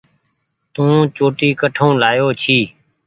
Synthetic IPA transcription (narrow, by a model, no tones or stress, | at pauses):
t̪ũːt͡ʃoːʈiːkəʈʰõːlaːjoːt͡ʃʰiː